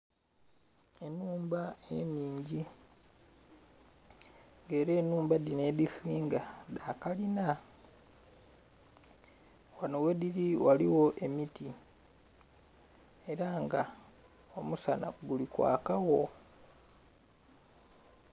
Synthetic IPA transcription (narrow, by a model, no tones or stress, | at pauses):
enuːmbae̞niːɲɟi | ŋɡeːɾe̞ːnuːmbadine̞ːðisiːŋɡadaːkalina | wanowe̞ðiɾiwalḭwo̞ʔe̞miti | e̞ɾaŋɡa | omusana̰ɡulikwa̰ːkawo̞